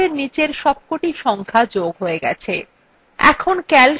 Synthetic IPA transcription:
eɾnit͡ɕeɾʃɔb̚koʈiʃɔŋkʰad͡ʑoɡɦoeɡɛ̰t͡ɕʰe | ɛ̰kʰonkɛl

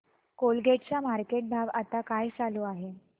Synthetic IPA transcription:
kolɡeʈ̚t͡samaɾkeʈ̚bʱaʋat̪akajt͡saluːaɦe

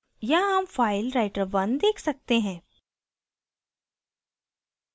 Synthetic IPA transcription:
jaɦɐmfaːɪlɾaɪʈəɾʋɐnd̪eːkʰsɐk̚t̪eɦɛ̃ː

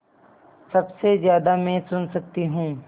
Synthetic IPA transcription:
sɐbsezjaːd̪amɛ̃ːsʊnsɐkt̪iɦũː

